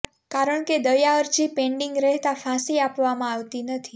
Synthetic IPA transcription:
kaɾəɳked̪əjaəɾt͡ʃipẽɳɖɪŋɡɾɛɦt̪afãsiapʋamãaʋt̪inət̪ʰi

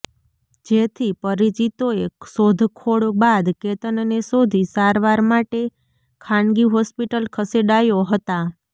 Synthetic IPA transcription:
d͡ʒet̪ʰipəɾit͡ʃit̪oeksod̪ʱkʰoɽbad̪ket̪ənənesod̪ʱisaɾʋaɾmaʈe | kʰãɳɡiɦɔspiʈəlkʰəseɖajoɦət̪a

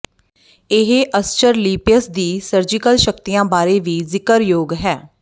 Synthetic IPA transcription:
ɪɦʔəst͡ʃəɾliːpijəsd̪iːsəɾd͡ʒɪkəlʃək̚t̪ijãːbaːɾeːʋiːzɪkəɾjoːɡɦɛː

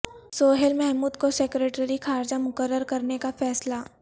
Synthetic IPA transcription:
soːɦelmɛɦmuːd̪kosekɾeːʈɾixʰaːɾd͡ʒamʊkəɾːəɾkɐɾnekafɛːsla

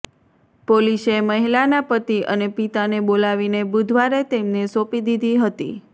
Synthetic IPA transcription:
poliseməɦilanapət̪iʔə̰nepit̪anebolaʋinebud̪ʱʋaɾet̪emnesopid̪id̪ʱiɦət̪ḭ

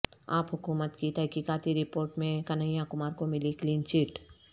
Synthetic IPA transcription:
aːpɦʊkuːmət̪kit̪ɛɦkiːkaːt̪iɾɪpoːɾʈmẽkɐnəjakʊmaːɾkomɪlikliːnt͡ʃɪʈ

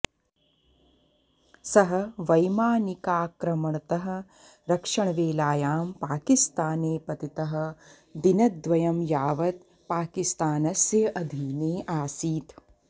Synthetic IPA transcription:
sɐɦɐ̆ʋɐjmaːnikaːkɾɐmɐɳɐt̪ɐɦɐ̆ | ɾɐkʂɐɳɐʋeːlaːjaːmpaːkist̪aːneːpɐt̪it̪ɐɦɐ̆ | d̪inɐd̪ʋɐjɐmjaːʋɐt̪̚ | paːkist̪aːnɐsjɐʔɐd̪ʱiːneːʔaːsiːt̪

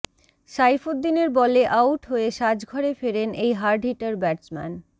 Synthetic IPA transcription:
ʃajfod̪ːineɾbɔleʔawʈɦoeʃad͡ʑɡʱɔɾefeɾenʔejɦaɾɖʱiʈaɾbɛʈsmɛ̰n

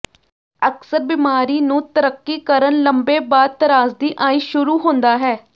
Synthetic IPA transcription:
əksəɾbɪmaːɾiːnũːt̪əɾəkːiːkəɾənləmbeːbaːt̪ːəɾaːzd̪iːʔaːĩːʃʊɾuːɦõːnd̪aːɦɛː

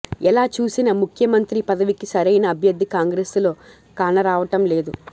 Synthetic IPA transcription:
ɛlaːt͡ʃuːsinɐmukʰjɐmɐnt̪ɾipɐd̪ɐʋikisɐɾɐjnɐːbʱjɐd̪ːikaːŋɡɾeːslo̞ː | kaːnɐɾaːʋɐʈɐmle̞ːd̪u

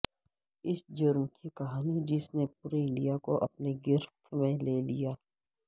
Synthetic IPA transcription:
ɪsd͡ʒʊɾmkikɐɦaːnid͡ʒɪsnep̚ʊɾelijakoʔɐ̰pneɡɪɾtmẽleːlijaː

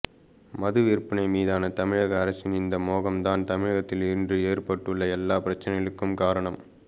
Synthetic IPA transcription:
mɐðɯʋiːrpɐnɐɪmiːðaːnɐt̪ɐmɪɻɐɣɐːɾɐsɪnɪnd̪ɐmoːɣɐmt̪aːnt̪ɐmɪɻɐɣɐt̪ːɪlɪndrɯeːrpɐʈːɯɭːɐɛlːaːpɪɾɐt͡ʃːɐnɐjɐɭɯkːɯmkaːɾɐɳɐm

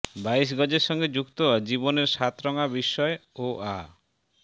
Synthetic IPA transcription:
bais̬ɡɔd͡ʑeɾʃɔŋɡed͡ʑukt̪od͡ʑiboneɾʃat̪ɾɔŋabiʃːɔeoʔa

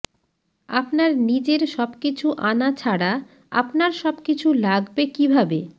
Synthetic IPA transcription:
apnaɾnid͡ʑeɾʃɔbkit͡ɕʰuʔanat͡ɕʰaɽa | a̰pnaɾʃɔbkit͡ɕʰulaɡbekibʱabe

